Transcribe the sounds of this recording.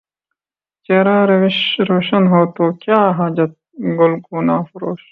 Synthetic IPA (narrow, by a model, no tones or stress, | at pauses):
t͡ɕeːɾaːɾɐwiɕɾoːʃɐnɦoːt̪oːkjaːɦaːd͡ʑɐt̪̚ | ɡolɡuːnaːfuɾoːʃ